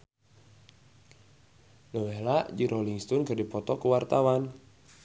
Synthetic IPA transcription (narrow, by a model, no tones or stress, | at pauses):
nəwelaʔd͡ʒiɾʔoliŋst̪ɔnɡadipɔt̪ɔkəwart̪awan